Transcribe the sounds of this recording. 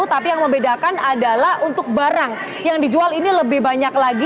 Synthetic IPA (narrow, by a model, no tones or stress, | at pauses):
t̪apijaŋməmbedakanadalahunt̪ʊk̚baɾaŋ | jaŋdid͡ʒualiniləbɪhbaɲaklaɡi